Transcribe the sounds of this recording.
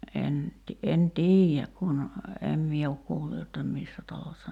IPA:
en ti en tiːjːæk kun em mie ok kuːlːu jotːɑ misːæ tɑlosːɑ

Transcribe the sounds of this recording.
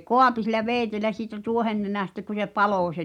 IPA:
koɑpi silˑæ ʋeːĭtelæ siːtæ tuohenːenæˑstæ ku se pɑloˑ se

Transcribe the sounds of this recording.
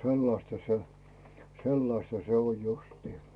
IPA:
selːɑstɑ se selːɑstɑ se oj justiː

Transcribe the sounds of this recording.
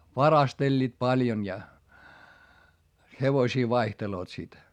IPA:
ʋɑrɑstelʲːiːt pɑljon jɑ heʋosʲiː ʋɑihteloːt sit

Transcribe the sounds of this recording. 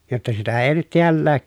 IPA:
jotːɑ sitæ eˑi nyt tiælːæː

